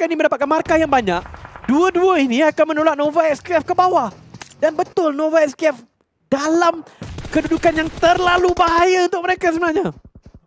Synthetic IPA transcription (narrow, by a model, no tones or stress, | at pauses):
kainĩmə̃ndapat̪̚kanmarkajaŋbaɲak̚duəduəiniakanmənolat̪̚nõvaɛkskɛfkəbawa | danbət̪ʊlnovaɛkskɛf | dalamkədudukanjaŋt̪ərlalubaɦajaunt̪ʊk̚məɾekasəbənahɲa